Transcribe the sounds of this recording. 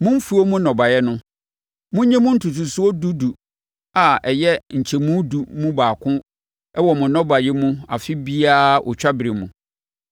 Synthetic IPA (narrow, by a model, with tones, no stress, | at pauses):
mʊ̃˦m̩˦fu˦o˦mũ˦nɔ̃˨ba˨jɛ˦nʊ̃˦ | mʊ̃˦ɲɛ̃˦mũ˦n̩˦tʰu˨tʰu˨su˦o˦du˦du˨ | a˨ɛ˨jɛ˦ɲ̩˨t͡ɕʰɛ˨mũ˦du˨mũ˦baː˨kʰʊ̃˦ | ɛ˦wɔ˨mʊ̃˨nɔ̃˦ba˨jɛ˦mũ˦a˨fɪ˦bi˦a˦ʔɔ̰˨t͡ɕᶣa˦bɪ˨ɾi˨mṵ̃˨